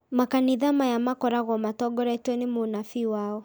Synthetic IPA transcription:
makaniðamajamakɔɾaɣɔmatɔɡɔɾatwɛnemonafiwaːɔ

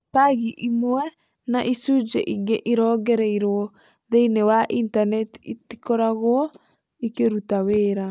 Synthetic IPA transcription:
paɣiʔimoɛ | naʔisud͡ʒḛʔiŋɡeʔiɾɔːɡɛɾɛiɾɔ | ðeinewaʔintanɛtitikɔɾaɣwɔ | ikeɾutaweːɾa

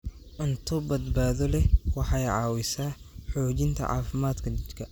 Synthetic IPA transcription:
ʔɪnt̪ʰʊbɐd̪baːðɔlɛwɑħɑjʕɑːwɪsaːħɔːt͡ʃɪnt̪ʰɐ̰ʕɑ̰ːfɪmaːd̪kʰɐt͡ʃɪt̪kʰɐ

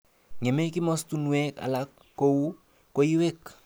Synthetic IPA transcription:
ŋemekimɔstunuɛka̰lakːouː | ojiwek

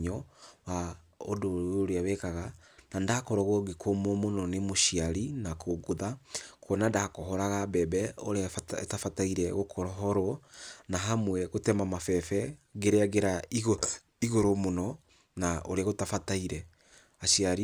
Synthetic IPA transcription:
ɲɔwa | o̰dooɾeawɛkaɣa | nandakɔɾɔɣɔɡekʰomomonɔnemoʃiaɾinakʰoɡoðakʰɔnandahakoɦɔɾaɣabɛbɛo̰ɾeatafataiɾɛɣokʰɔɾɔɦɔɾɔnaɦamwɛɣotɛmamafɛfɛɡeɾeaɣeɾaiɣ | iɣoɾomonɔ | naʔoɾeaɣotafataiɾɛ | aʃiaɾi

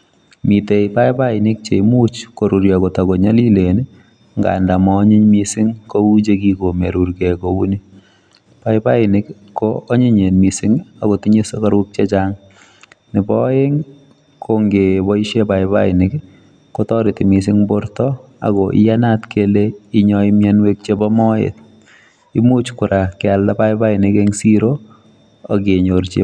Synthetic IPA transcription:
mitejpajpaɪnɪk̚t͡ʃemut͡ʃkoɾuɾjakotakɔɲalilen | ŋɡa̰ndamɔɲiɲmisɪŋkout͡ʃekikomeɾuɾkɛkouni | pajpaɪnɪk | kːoːɲiɲenmisɪŋakotiɲesokaɾuk̚t͡ʃet͡ʃaŋ | nɪbɔeŋ | kʰoŋɡebɔiʃepaɪba̰ɪnɪk | kːotɔɾɪtɪmis̬ɪŋboɾtɔ | a̰kɔʔɪ̰janatkʰeleiɲɔɪmjanwek̚t͡ʃebɔmɔḛt̚ | imut͡ʃkʊɾʔakɛalːapaɪbaɪnɪkeŋsiɾo | ak̬eɲoɾt͡ʃḛ

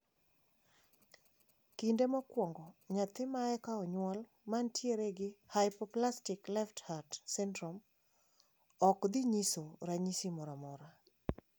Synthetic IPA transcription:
kindemɔkwɔŋɡɔɲat̪ɪmaɛkaɔɲwɔl | mantjeɾeɡɪhajɪpɔplastɪklɛfthadsɛndɾɔm | ɔkd̪ɪɲisoɾaɲisimɔɾamɔɾa

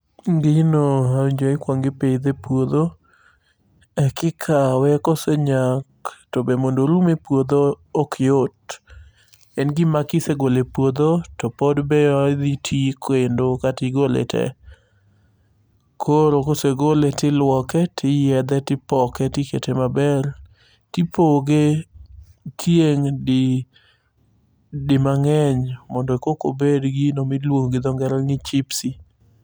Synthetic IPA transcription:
ŋɡɪnoaɲd͡ʒoɪkwaŋɡɪpeid̪epwod̪o | ɛkɪkʰawɛkoseɲaktobemondoɾumepwod̪oː | kʰjot̚ | ɛnɡɪmakɪseɡolepwod̪otɔpɔdbeɔd̪itʰikʰwendokatiɡolḛtʰɛ̰ | kʰoɾokoseɡoletɪlwɔkɛtʰɪjɛd̪ɛtɪpɔkɛtɪkḛtemabɛl | tipʰoɡe | tʰjeŋdɪ | dɪmaŋɛɲmɔndɔekoko̰bedɡinomilwoŋɡɪd̪ɔŋɡɛɾaŋɪt͡ʃipsi

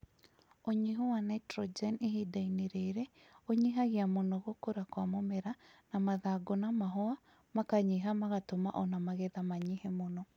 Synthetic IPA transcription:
oɲiɦowanatɾɔd͡ʒɛneɦidaineɾeɾɛ | oɲiɦaɣiamonɔɣokoɾakwamomɛɾanamaðaɡonamaɦɔa | makaɲiɦamaɣatomaʔɔnamaɣɛðamaɲihɛmonɔ

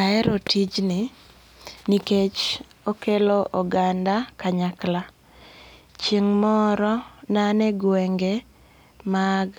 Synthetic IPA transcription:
aɛɾotʰid͡ʒnɪ | niket͡ʃ | okeloʔɔɡandakaɲakla | t͡ʃeŋmɔɾɔnanɛɡwɛŋɡe | maɡ

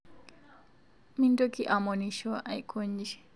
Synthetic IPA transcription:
mintokiʔamoniʃɔʔajkʰoɲd͡ʒi

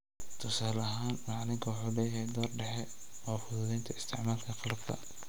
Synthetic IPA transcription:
t̪ʰʊsaːlɐɦaːnmɑʕlɪŋkʰɐwɑħuːlɛːjɐhɛjd̪ɔːrɖɛħɛ | ɔːfʊðʊðɛjnt̪ʰɐɪst̪ʰɪ̰ʕmaːlk̪ʰɐqɑlɐb̥̚kʰɐ̰

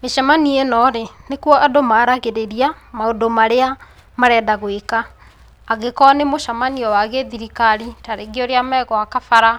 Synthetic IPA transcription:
meʃamanienɔɾenekwɔʔadomaɾaɣeɾeɾiamaodomaɾea | maɾɛːdaɣwekaː | ɣekɔnemoʃamaniɔwaɣeðiɾikaɾitaɾeɡeɔɾeamɛɣɔakafaɾa

